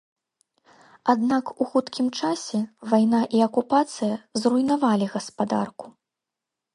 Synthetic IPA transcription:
ad̪nakuxut̪kʲimt͡ʂasʲɛvajnaʔiɐkupat̪sɨjɐzrujnavalʲiɣɐspad̪a̰rku̥

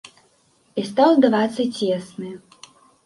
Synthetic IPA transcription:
ist̪awˠd̪vat̪sɨesnɨ

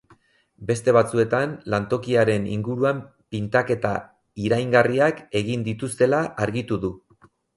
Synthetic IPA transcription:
be̞st̪e̞βat͡sue̞t̪anlant̪o̞kiaɾe̞nḭŋɡuɾuam | pint̪ake̞t̪a | iɾajŋɡariake̞ɣ̞ind̪it̪ust̪e̞laʔaɾɣit̪uðu

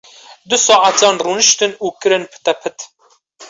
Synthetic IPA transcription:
d̪ʊsɑːʔat̪ʰɑːnruːnɨʃt̪ɨnuːkɨɾɨnpʰɨ̥t̪ɛpʰɨt̪

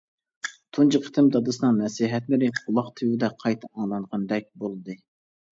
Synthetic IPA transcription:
t̪ʰunt͡ʃʰəqʰə̥t̪ʰɪmd̪ɑd̪ɨsɨnɨŋmɛsiɦɛt̪mɪɾɪqʰʊlˠɑqt̪ʰɪwud̪ɛqʰɑjt̪ʰɑɑŋlˠɑɴʁɑnd̪ɛk̚ʲbolˠɨd̪ɨ

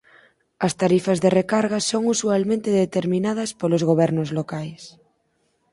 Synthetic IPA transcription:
ast̪aɾifazðerekaɾɣasoŋusualmẽnt̪eðet̪eɾmĩnað̞aspolozɣ̞oβ̞ɛɾnozlokajs

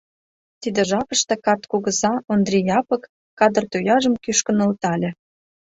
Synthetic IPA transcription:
t̪id̪ĕʒɑpə̆ʃt̪ĕkɑt̪koɣə̆zɑond̪rʲijɑpɤ̆kː | ɑd̪ərt̪ojɑʒə̆mkyʃkə̆nə̆lt̪ɑlʲĕ

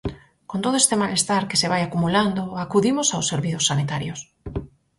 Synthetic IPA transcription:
kont̪oðoest̪emalest̪aɾkeseβajakumuland̪oakuðimosawsːeɾβiθosːanit̪aɾjos

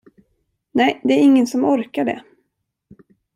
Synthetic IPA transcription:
nɛjd̪ɛæɾɪŋːənsɔmɔɾkaɖɛ̰

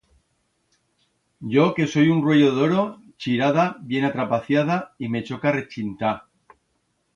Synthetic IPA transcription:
ɟ͡ʝo̞ke̞so̞junrweʝo̞ðo̞ɾo̞ | t͡ʃiɾað̞abje̞nat̪ɾapaθjað̞aime̞t͡ʃo̞kare̞t͡ʃint̪a

